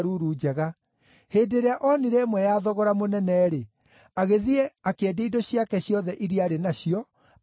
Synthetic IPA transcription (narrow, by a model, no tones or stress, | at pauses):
ɾuɾud͡ʑɛɣa | heːdeɾeaʔɔniɾɛmwɛjaːðɔɣɔɾamonɛnɛːɾe | aɣeðiɛakɛdeidoɕiakɛɕjɔðɛʔiɾiaɾenaɕiɔ